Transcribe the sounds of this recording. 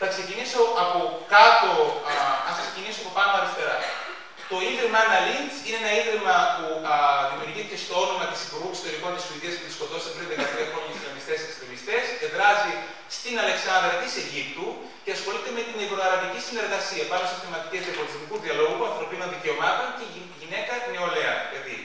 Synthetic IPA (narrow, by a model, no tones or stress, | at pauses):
θɐkse̞ciniso̞ʔɐpo̞kɐt̪o̞ɐsɐksecinisoɐpopɐnoɐleft̪eɾɐ | t̪o̞iðɾemɐɐnɐlindsineenɐiðɾimɐpuðimiuɾʝiθice̞st̪o̞onomɐt̪i̥sipuɾɣukisot̪eliko̞nt̪isuiðiɐspuðisko̞t̪osi̥ɐt̪ɾinðekɐt̪ɾiɐxɾo̞ɲɐsilɐmist̪e̞sɐkst̪ivist̪e̞sce̞ðɾɐzi | st̪inɐle̞ksɐnd̪ɾɐt̪iseʝipt̪u | ce̞ɐsxo̞lit̪eme̞t̪inevɾo̞ɐɾɐvicisine̞ɾɣɐsiɐpɐloseθemɐt̪icezðiɐpolizmikuðiɐlo̞ɣuɣuɐnθɾo̞pino̞nðice̞o̞mɐt̪o̞nce | ʝine̞kɐne̞oleɐilɐði